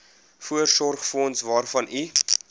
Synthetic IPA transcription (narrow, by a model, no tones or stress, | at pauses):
fuərsɔrχfɔnsvɑːrfɐni